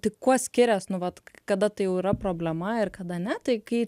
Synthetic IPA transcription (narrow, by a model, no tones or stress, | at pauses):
t̪ʲɪkkuɔsʲkʲɪɾʲɛsnʊʋɐt̪kɐd̪ɐt̪ɐɪjɛʊiɾɐpɾoːbʲlʲɛmɐɪrkɐd̪ɐnʲɛt̪ɐɪkɐɪ